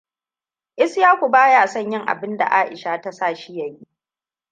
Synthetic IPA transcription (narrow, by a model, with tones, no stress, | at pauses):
ʔɪ˦sjaː˦kʷu˨baː˦ja˦˨sɐ˦˨ɲjɪ˦ŋʔa̰˨bɪ˦nda̰˨ʔaː˦ʔɪ̰˨ʃa˦˨ta˦saː˦˨ʃi˦jɐ˨ji˦ʔ